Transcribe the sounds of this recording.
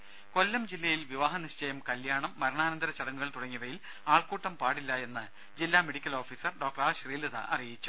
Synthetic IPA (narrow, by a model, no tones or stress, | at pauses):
ko̞lːɐmd͡ʑilːɐjilʋiʋaːɦɐniɕt͡ɕɐjɐmkɐljaːɳɐmːɐɾɐɳaːnɐnd̪ɐɾɐt͡ɕɐɽɐŋːuɣɐɭt̪uɽɐŋːiʋɐjil | aːɭkuːʈːɐmpaːɽilːɐe̞nːɨ | d͡ʑilːaːme̞ɽikʲːɐlo̞ːfiːsɐrɖoːk̚ʈɐraːɕriːlɐðɐ̰ʔɐ̰rijit͡ɕːu̥